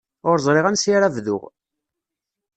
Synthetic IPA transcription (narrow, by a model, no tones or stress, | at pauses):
ʊɾzˤɾɪʁænsjaɾævðʊ̰ʁ